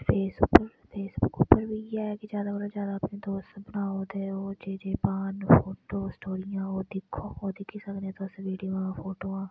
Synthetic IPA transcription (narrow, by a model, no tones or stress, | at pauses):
fʰeːsbʊpəɾ | pʰeːsbʊkʊpːəɾbʱiːjɛkid͡ʒjaːd̪akoɽad͡ʒjaːd̪aəpned̪oːsbənaːoːd̪eːoːd͡ʒeːd͡ʒeːpaːnfoːʈoːsʈoːɾɪjãːɦoːd̪ɪkʰːooːd̪ɪkʰisəknẽt̪oːsʋiːɖioãfoːʈoːãː